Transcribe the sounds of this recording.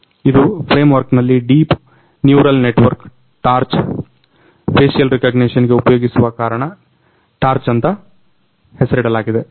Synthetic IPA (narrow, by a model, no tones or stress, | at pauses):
id̪upʰɾeːmʋɐɾknɐlːiɖiːp | njuːɾɐlneʈʋɐɾk | ʈaːɾt͡ʃ | pʰeːʃijɐlɾekɐɡniʂɐnɡeupɐjo̞ːɡisuʋɐkaːɾɐɳɐ | ʈaːɾt͡ʃɐnt̪ɐ | hesɐɾɽɖɐlaːɡid̪e